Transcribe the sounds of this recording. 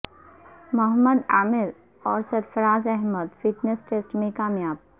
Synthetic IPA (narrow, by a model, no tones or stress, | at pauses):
mɐɦəmːəd̪aːmɪɾ | ɔːɾsɐɾfəɾaːd͡ʒɛɦməd̪fɪʈnesʈeːsʈmẽkaːmjaːb̚